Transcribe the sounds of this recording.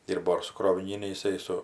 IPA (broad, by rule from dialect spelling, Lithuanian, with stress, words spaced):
ˈdʲiːrboː ɪr sʊ kroːʋʲɪˈnʲiːnʲɛ ɪˈsɐɪ sʊ